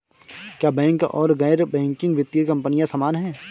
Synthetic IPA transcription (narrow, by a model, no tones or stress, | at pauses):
kjaːbɛ̃ːŋkɔ̰ːɾɡɛːɾbɛ̃ːŋkɪ̃ŋɡʋɪt̪ːjikɐ̃mpənijãsamaːnɦɛ̃ː